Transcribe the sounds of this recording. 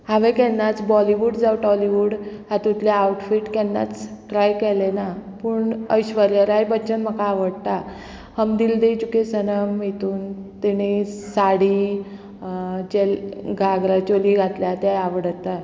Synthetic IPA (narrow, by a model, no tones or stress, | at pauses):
ɦãʋẽkɛnːat͡sbɔliʋuɖd͡zawʈɔliʋuɽhat̪ut̪leauʈfiʈkɛnːa̰t͡sʈɾajkɛlenapuɳəjɕʋəɾjəɾajbəːt͡ɕənm̤əkaːʋəɽt̪a | həmd̪ild̪et͡ɕukesənəmɦet̪uːnt̪iɽ̃esaɽi | d͡ʑelɡʱaɡɾat͡ɕoliɡʱat̪ljat̪jajaʋəɽət̪ːa